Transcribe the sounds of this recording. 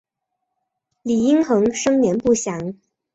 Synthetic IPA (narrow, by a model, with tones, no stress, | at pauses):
li˨˩i˥ŋxɤ˧˥ŋʂɤ˥ŋnjɛ˧˥npu˥˩ɕjɑ˧˥ŋ